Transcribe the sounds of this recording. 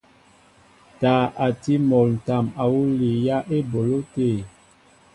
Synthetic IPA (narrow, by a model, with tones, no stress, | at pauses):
taː˨˦˨ʔa˨ti˦mɔ˨ln̩˨ta˨ma˨wu˦li˨ja˦ʔe˦bo˨lo˦te˦˨